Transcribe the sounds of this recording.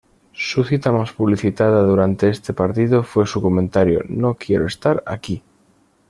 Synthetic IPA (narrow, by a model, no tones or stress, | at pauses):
suθit̪amaspuβ̞liθit̪að̞aðuɾant̪e̞est̪e̞paɾt̪iðofwe̞sukomẽnt̪aɾjo̰nokjeɾoest̪aɾa̰ki